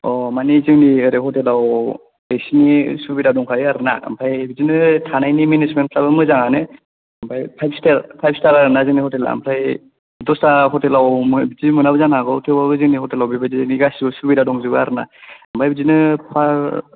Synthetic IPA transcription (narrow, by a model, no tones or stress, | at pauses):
ɔmanizɯŋniɯɾehɔtelaw | esinisubidadɔŋkʰaɾiaɾɯna̰a̰mpʰajbizinɯtʰanajniminismenpʰlabɯmɯzaŋanɯ | ampʰajpʰajbstaɾpʰajp̚staɾaɾɯnazɯnihɔtela̰mpʰɾaj | dɔstaɦɔtelawmɯbizimɯnabɯzanaɡɔtʰibabɯzɯŋnihɔtelawbibɯziniɡasiɯsubidadɔŋzɯbɯaɾɯna̰ampʰajbɯzinɯpʰaɾ